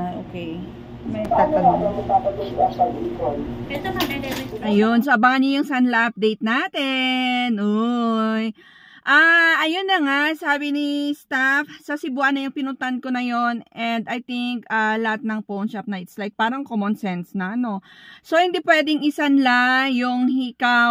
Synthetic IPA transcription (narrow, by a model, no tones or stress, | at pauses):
aʔoːkej | mɐant̪ɐɐmɐɡ̚t̪aːpɐɡʊɛʃɐlikolpɛt̪onɐpɛd̪ɛlɪɐjonsoʔɐbaŋɐnːojʊŋsanlɐʔɐp̚d̪ɛjt̪̚naːt̪ɛnʔoj | ʔaʔɐjonːɐŋaʔsaːbɪnist̪afsɐsɪbuʔɐnːɐjʊŋpɪnʊnt̪anko̞nɐjo̞nʔɛnd̪ɐjt̪iŋkɐlɐhat̪̚nɐŋpownʃap̚nɐʔɪt̪slajk̚paːɾɐŋkomonsɛnsnɐʔɐno̞so̞hɪnd̪iːpwɛd̪ɛŋɪsɐnlajʊŋhika